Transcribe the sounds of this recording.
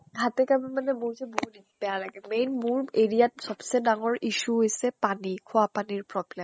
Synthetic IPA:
hat̪ɛkabimanɛbozɛboɦunibɛjalaɡɛmejnmuɹeɹiat̚sɔbsɛdaŋɔɹiʃuɦojsɛpanikʰoapaniɹpɹɔblemm

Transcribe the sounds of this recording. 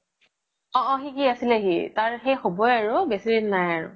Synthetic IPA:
ɔ̃ʔɔ̃xikiasilaɦitaɹxejxɔbɔjaɹʊbɛsiɹinnajaɹʊ̰

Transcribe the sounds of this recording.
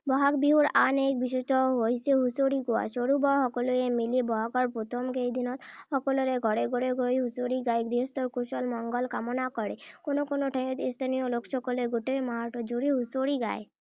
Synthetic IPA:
bɔɦakbiɦuɾanek̚biʃet͡ʃɔɦojseɦusoɽiɡoa̰ʃoɾubɔɦɔkoloemilibɔɦakɔɾpot̪ʰomkejd̪inɔt̪hɔkolɔɾeɡʱɔɾeɡʱoɽeɡʱojɦusoɾiɡajɡɾiɦɔst̪ɔɾkuʃɔlmɔŋɡɔlkamonakɔɽekonokonoʈʰəj̃ɔt̪ist̪ʰanijolokʃɔkɔleɡoʈemaɦaʈɔd͡ʒuɽiɦusoɽiɡa̰e

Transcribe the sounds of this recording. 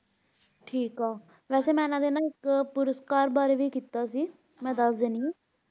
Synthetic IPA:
ʈʰiːkaː | ʋɛːseːmɛ̃ːnãːd̪eːnãːɪkpʊɾəskaːɾbaːɾeːʋiːkiːt̪aːsiː | mɛ̃ːd̪əsd̪eːniː

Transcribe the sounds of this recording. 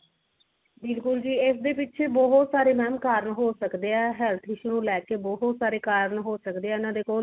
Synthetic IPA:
bɪlkʊld͡ʒiːɪsd̪eːpɪtːʃʰeːbɔːɦʊt̪saːɾeːmɛ̃ːmkaːɾəɳɦoːsəkd̪eːɛːɦɛːlt̪ʰɪʃnũːlɛːkeːbɔːɦʊt̪saːɾeːkaːɾɳɦoːsəkd̪eːɛːɪnãːd̪eːkoː

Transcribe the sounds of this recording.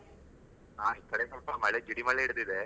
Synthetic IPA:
aːikːɐɽesɐlpɐmɐɭed͡ʒiɽimɐɭeiɽɯd̪id̪e

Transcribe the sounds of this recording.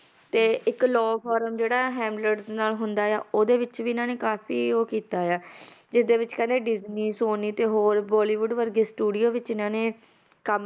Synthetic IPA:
t̪eːɪklɔːpʰɔːɾəmd͡ʒeːɽaːɛɦɛ̃ːmɖləʈd̪enaːlɦʊnd̪aːja̰ːoːd̪eːʋɪt͡ʃʋiːɪnãːneːkaːfiːoːkiːt̪aːjaːd͡ʒɪsd̪eːʋɪt͡ʃkɛ̃ːnd̪eːɖɪzniːsoːniːt̪eːɦoːɾbɔːliːʋʊɖʋəɾɡeːsʈuːɖijoːʋɪt͡ʃɪnãːneː | kəm

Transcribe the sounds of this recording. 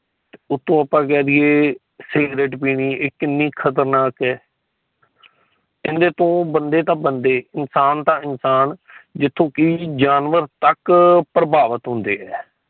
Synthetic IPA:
t̪eʊt̪ʰːõːəpːãːk̬ɛːd̪ieː | sɪɡɾeːʈpiːniːekːɪnːiːkʰət̪əɾnaːkɛː | ɪnd̪eːt̪õːbənd̪eːt̪ãːbənd̪eːɪnsaːnt̪ãːɪnsaːnd͡ʒɪt̪ʰːõːkiːd͡ʒaːnʋəɾt̪əkpɾəbaːʋət̪ɦʊ̃nd̪eːɛː

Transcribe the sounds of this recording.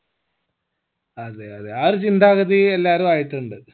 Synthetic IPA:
ɐðeɐðeart͡ɕind̪ʱaːɣɐðielːaːɾumaːjiʈːuɳɖɨ

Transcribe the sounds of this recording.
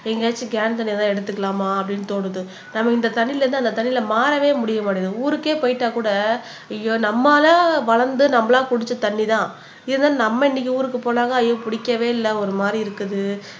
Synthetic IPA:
ɛŋɡɐaːt͡ʃːɯɡaːnt̪̬ɐɳːɪjat̪ãːɛɽɯt̪ːɯkːɐlaːmaːɐpːɐɽɪnːɯt̪oːɽɯðɯ | nɐmːɐkːɪnd̪ɐt̪ɐɳːɪlɐɾɯnd̪ɯɐnd̪ɐt̪ɐɳːɪlɐmaːɾɐʋeːmʊɽɪjɐmaːʈɪjɐðɯuːɾɯkːeːpojɪʈːaːkuːɽɐ | ɪjoːnɐmːaːlaʋɐɭɐɾnd̪ɯnɐmːɐlãːpʊɽɪt͡ʃːɐt̪ɐɳːit̪ãː | ɪðɯnd̪aːnɐmːɐɪnːɪk̬ʲːiuːɾɯkːɯpoːnaːŋɡɐɐjõːpʊɽɪkːɐʋeːɪlːɐɔɾɯmaːd̪ɾiɪɾɯkːɯðɯ

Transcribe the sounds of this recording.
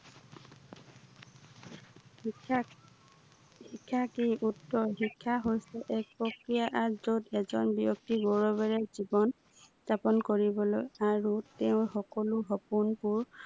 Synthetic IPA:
hikʰːakiʔutːɔɹɦikʰːaɦojsɛʔɛk̚pɹɔkɹijaʔazodɛzɔnbiok̚tibɔɹɔbɛɹɛzibɔn | stapɔnkoɹibɔlojaɹutɛʊ̃xɔkɔlʊɦɔpunpuɹ

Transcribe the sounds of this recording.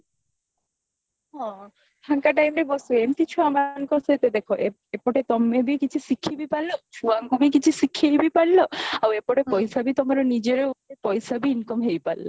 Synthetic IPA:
ɦɔ̃ | ʈʰaŋkaʈajmɾebosuemkit͡ɕʰuamankɔsʰet̪ed̪ekʰoʔe | epɔʈet̪ɔmːebikit͡ɕʰusikʰːibipallot͡ɕʰuaŋɡubik̬it͡ɕʰusikʰːjbipaɽloawepɔʈepɔjsabit̪omaɾonid͡ʑeɾeoepɔjsabiinkomɦejpa̰lːo̰

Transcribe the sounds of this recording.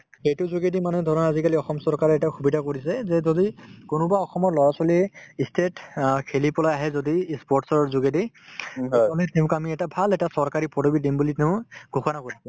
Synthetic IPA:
ejtʊzuɡedimanɛdʱɔɹɔnazikaliɔxɔmsɔɹkaɹɛɛtaxʰubidʱakoɹisɛzɛzodikonʊ̃baɔxɔmɔɹlɔɹasɔliɛistʰetkʰelipɔlajaɦɛzodiːspɔʈsɔɹɔɹzuɡedi | ɔlɛteʊ̃kamiɛtabʱalɛtasɔɹkaɹipɔdobidembuliteʊ̃ɡʱuxɔnakoɹisɛ

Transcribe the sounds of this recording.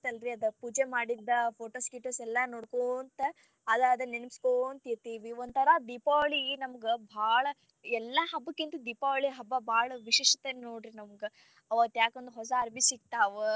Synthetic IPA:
t̪ɐlɾiɐd̪ɐpuːd͡ʒemaːɽid̪ːɐpʰoːʈoːskiʈːɐsɛlːɐnoːɽkont̪ɐ | ɐd̪ɐɐd̪ɐnenskont̪iɾt̪iːʋiond̪t̪ʰɐɾɐd̪ipaːɭinɐmɐɡebʱaːɭɐ | ɛlːɐɦɐbːɐkːint̪ud̪ipaːʋɭiɦɐbːɐbʱaːɭɐʋiʃeːʂɐt̪ennoːɖɾinɐmɐɡe | ɐʋɐt̪ːjaːkond̪uɦɔs̬ɐɐɾbʱisik̚t̪aːʋɐ

